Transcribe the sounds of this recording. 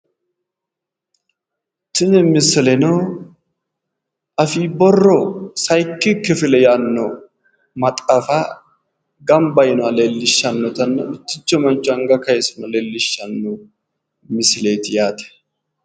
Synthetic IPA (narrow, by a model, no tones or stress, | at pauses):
t̪ɪnɪmɪsɪlɛnɔ | ʔɐfiːbɔrːɔsɐjkːɪkːɪfɪlɛjanːɔ | mɐt̪ʼɐfa | ɡɐmbɐjɪnʊɐleːlːɪʃːɐnːɔt̪ɐnːɐ̰ʊt̪ːɪt͡ʃːɔmɐnt͡ʃʼːʊɐŋɡɐkɐjsɐnɐleːlːɪʃːɐnːu | mɪsɪleːt̪ɪjaːt̪ɛ̥